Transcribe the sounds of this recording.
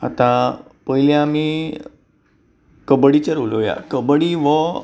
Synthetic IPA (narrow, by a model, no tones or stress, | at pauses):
a̰t̪ãpəjlẽami | kəbəɽit͡ɕəɾuləʋja̰kəbəɽiʋə